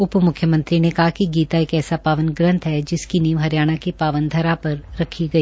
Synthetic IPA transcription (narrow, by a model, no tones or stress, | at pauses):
ʊpmʊkʰːjəmɐ̃nt̪ɾinekɐɦakiɡiːt̪aeːkɛːsapaːʋənɡɾə̃nt̪ɦɛd͡ʒɪskiniːʋɦɐɾjaːɽ̃akepaːʋənd̪ʱɐɾapɐɾɾɐkʰiɡɐiː